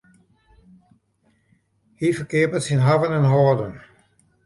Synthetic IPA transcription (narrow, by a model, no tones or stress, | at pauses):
hifəkɪəpətsinɦavənənɦɔːdən